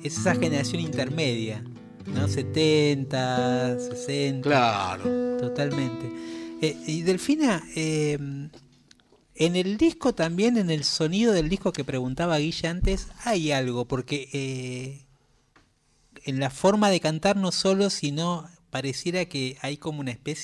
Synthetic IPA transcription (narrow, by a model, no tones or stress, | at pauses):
esesaxeneɾasjo̞nint̪eɾmeðja | nose̞t̪ent̪asesent̪laaɾot̪o̞t̪almẽ̞nt̪e̞eiðe̞lfinaem | eneld̪ihko̞t̪ambje̞nenelso̞nið̞o̞ð̞eld̪ihko̞kepɾe̞ɣunt̪aβaɣiʃant̪esajalɣo̞po̞ɾkeʔe | enlafo̞ɾmaðe̞kant̪aɾno̞so̞lo̞sino̞paɾesje̞ɾakeajko̞mounaespes